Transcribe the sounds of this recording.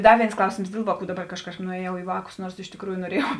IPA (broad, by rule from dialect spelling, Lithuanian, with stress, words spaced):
ˈdɐ ˈʋʲeːɪns ˈklˠɐʊsʲeːms ˈdʲeːlˠ ʋɑːˌkuː dɐˈbɐr ˈkɐʃ ˈkɑːʃkɐp nʊɛˈjɛʊ iː ˈʋɑːkʊs ˈnuɔrs ɪʃ tʲɪkˈruːjʊ noːˈrʲeːjɛʊ